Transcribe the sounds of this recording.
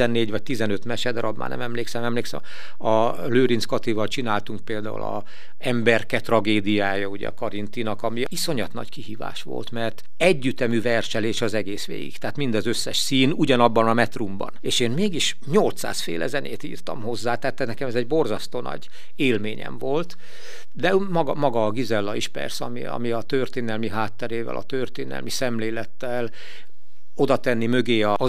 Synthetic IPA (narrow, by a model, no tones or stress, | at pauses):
ɛnːeːɟʋɒc̚t̪izɛnø̞t̪mɛʃɛd̪ɾɒbma̰ːnɛ̰mɛmleːksɛmɛmleːksɛ̰m | ɒ | løːɾinskot̪ivɒlt͡ʃinaːlt̪uŋk̚peːld̪aːṵlɒ̰ | ɛmbɛrkɛt̪rɒɡeːd̪ijaːjɒuɟɛ̰ɒ̰kɒɾint̪inɒkɒmiiso̞ɲɒt̪nɒ̰ckiɦiːva̰ːʃʋo̰lt̪mɛrt̪ | ɛɟːyt̪ɛmyvɛrʃɛleːʃɒzɛɡeːsʋḛːɡḭkt̪ɛaːt̪mind̪ɒzøsːɛʃsiːnuɟɒnɒbːɒnɒmɛt̪rumbɒ̰neːʃeːnmeːɡiʃ | ɲo̞lt̪sa̰ːsfḛːlʔɛ̰zɛnʔḛːt̪ḭːrt̪ɒmho̞zːaːt̪ɛːt̪ːɛnɛkɛmɛzɛɟbo̞rzɒst̪oːnɒ̰ɟ | eːlmeːɲɛ̰ɱvo̞lt̪ | d̪ɛmɒɡɒmɒɡɒːɡizɛlːɒiʃpɛ̰rsɛɒmiɒ̰miɒt̪ørt̪eːnɛlmiɦaːt̪ːɛɾeːvɛ̰lɒ̰t̪ørt̪eːnɛ̰lmisɛmleːlɛt̪ːɛl | o̞d̪ɒt̪ɛnːimø̞ɡeːɒ